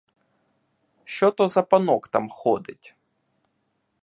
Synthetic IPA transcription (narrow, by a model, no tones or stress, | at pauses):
ʃt͡ʃɔt̪ɔzɐpɐnɔkt̪amxɔd̪ɪtʲ